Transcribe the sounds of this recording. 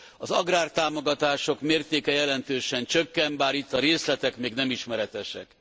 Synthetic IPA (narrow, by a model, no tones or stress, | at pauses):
ɒzɒɡraːrt̪aːmo̞ɡɒt̪aːʃo̞kmeːrt̪eːkɛjɛlɛnt̪øːʃɛnt͡ʃøkːɛmbaːɾit̪ːɒɾeːslɛt̪ɛkmeːɡnɛmiʃmɛɾɛt̪ɛʃɛ̰k